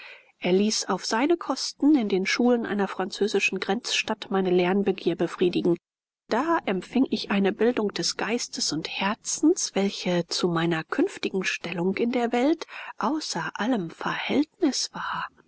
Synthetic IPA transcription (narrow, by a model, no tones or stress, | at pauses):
ʔeːɐliːsaʊfz̥aɪnəkʰɔstn̩ɪndeːnʃuːlənʔa̰ɪnɐfʁ̥ant͡søːzɪʃn̩ɡʁɛnt͡sʃtatmaɪnəlɛɐnbəɡiːɐbəfʁ̥iːdɪɡŋ̩ | d̥aːʔɛmfɪŋʔɪçʔaɪnəbɪldʊŋkd̥ɛsɡ̥aɪstəsʊnthɛɐt͡sn̩sv̥ɛlçət͡sumaɪnɐkʰʏnftɪɡŋ̩ʃtɛlʊŋkɪndeːɐvɛltʔaʊsɐʔaləmfɛɐhɛltnɪsv̥aːɐ